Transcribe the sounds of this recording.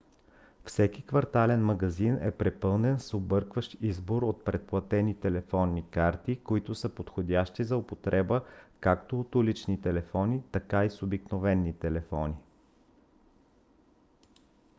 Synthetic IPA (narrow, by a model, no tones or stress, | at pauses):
fsɛkʲikvɐɾt̪alɛnmɐɡɐzinɛ̰pɾɛpɤlˠnɛnsobɤɾkvəʃt̪izboɾot̪̚pɾɛt̪̚plˠɐt̪ɛnit̪ɛlɛfɔnːikaɾt̪ikoit̪ʊsəpot̪xod̪ʲaʃt̪izɐopot̪ɾɛbəkakt̪oːt̪ulit͡ʃnit̪ɛlɛfɔnit̪ɐkaisobiknovɛnːit̪ɛlɛfɔni